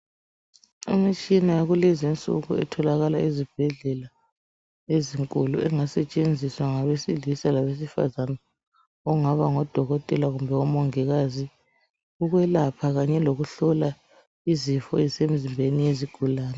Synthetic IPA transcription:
ḭmit͡ʃʼinajaɣulɛzint͡sʼṵɣṵɛ̰tʰɔlaɣalaizib̥ʱɛɮɛla | eziŋkʼulṵʔɛŋasɛt͡ʃʼend͡zʱiswaŋaβesilisalaβes̬ifa̰zana | ɔŋaβaŋɔd̥ʱɔɣɔtʼɛlaɣumbʱɛɔmɔŋɛɣazi | uɣwɛlapʰaɣaɲɛloɣuɬɔla | izifɔɛzisem̩zimbʱenijeziɡ̥ʱulaːnɛ

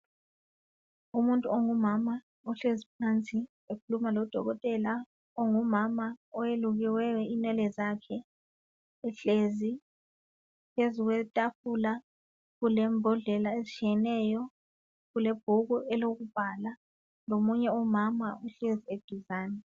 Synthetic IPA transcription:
umuntʼuoŋumama | ɔɬezip̚ʰant͡sʼi | ekʰulumalɔd̥ʱɔ̰ɣɔtʼɛla | oŋumamaɔjeluɣiwɛwɛinɛlɛzakʰɛː | ɬezi | pʰezuɣwɛtʼafula | ɣulɛmbʱɔɮɛlaezit͡ʃʰʼijɛnɛjɔ | ɣulɛb̥ʱuɣuʔɛloɣub̥ʱala | lomuɲɛɔmamaʔuɬezied̥ʱuzaːnɛ

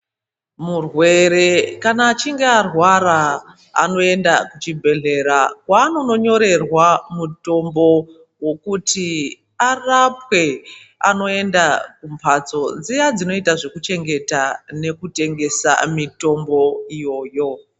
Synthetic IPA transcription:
murwe̞ɾe̞kanaːt͡ʃiŋɡearwaɾa | a̰no̞e̞ndakut͡ʃibʱe̞ɮe̞ɾakwaːno̞no̞ɲo̞ɾe̞rwamuto̞mbo̞ | wo̞kuti | arapwe̞ | a̰no̞e̞ndakumpʰat͡so̞d͡zijad͡zino̞itaʐekut͡ʃe̞ŋɡe̞tane̞kute̞ŋɡe̞sa̰mito̞mbo̞ijo̞ːjo̞

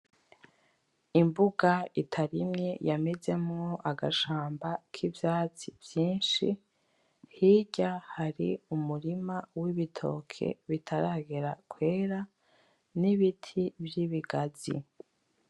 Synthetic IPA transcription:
imbuɡaitʰaɾimɲe̞jame̞ze̞mŋoʔaɡaʃaːmbakʰivjaːt͡sivjiːnʃḭ | hiːɟahaɾiumuɾimawiβitʰo̰ːkʰḛβitʰaɾaːɡeɾakwe̞ːɾa | niβitʰibjiβiɡazḭ

